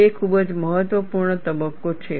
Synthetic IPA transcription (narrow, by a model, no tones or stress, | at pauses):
ekʰubəd͡ʒməɦət̪ʋəpuɾɳət̪əbəkːot͡ʃʰe